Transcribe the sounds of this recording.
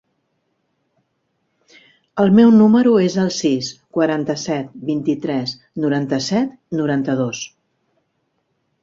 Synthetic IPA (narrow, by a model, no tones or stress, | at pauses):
əlˠmɛwnuməɾuezəlˠsiskwəɾant̪əsɛt̪̚bint̪it̪ɾɛs | nuɾant̪əsɛt̪ | nuɾant̪əðos